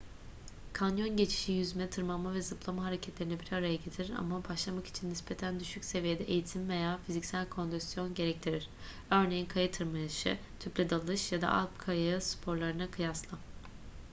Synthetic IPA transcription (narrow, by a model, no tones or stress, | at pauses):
kʰanjo̞nɟe̞t͡ʃʰi̥ʃijyzmɛt̪ʰɯɾmammːavɛzɯplˠamaɦaɾecʰɛt̪lʲe̞ɾinɛbiɾaɾajaɟe̞t̪ʰiɾiɾa̰mabʰaʃlˠamaki̥t͡ʃʰinːispe̞t̪ʰænd̪yʃycse̞vijed̪ɛʔejit̪ʰimvejaːfizicsælʲkʰo̞nd̪yst̪jo̞nɟe̞ɾɛc̚t̪ʰiɾiɾ̥ | ø̞ɾne̞jinkʰajɯt̪ʰɯɾmajɯʃɯ̰ | t̪ʰyplʲɛd̪alˠɯʃjad̪a̰ʔa̰lˠpkʰajaɯspʰo̞ɾlˠaɾɯnakʰɯjaslˠɯ